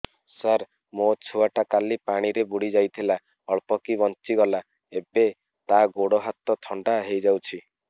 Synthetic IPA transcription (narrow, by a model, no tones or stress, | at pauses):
saɾ | mot͡ʃʰuaʈakalipaɽ̃iɾebuɽid͡ʒajt̪ʰila | ɔɭpɔkibɔnt͡ʃiɡɔla | ebe | t̪aɡoɽɔɦat̪ɔt̪ʰɔɳɖaɦejd͡ʒawt͡ʃʰi